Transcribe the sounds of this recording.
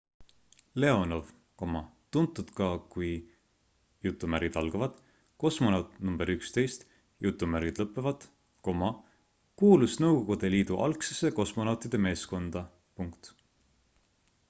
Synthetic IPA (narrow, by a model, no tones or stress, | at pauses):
le̞o̞no̞v | ko̞mɑt̪unt̪ːˑud̪̥kɑkuj | jut̪ːˑumæɾid̪ɑlɡ̥ɑvɑd̪̥ | ko̞smonɑwt̪ˑnumbeɾykst̪e̞jst̪ | jut̪ˑːumæɾɡid̪lɤpːˑevɑd̪̥ | ko̞mɑ | kuːlusnɤwɡo̞ɡ̥ud̪̥e̞liːd̪̥uʔɑ̰lksese̞ko̞smonɑwt̪id̪̥e̞me̞ːsko̞nd̪̥ɑ | puŋkt̪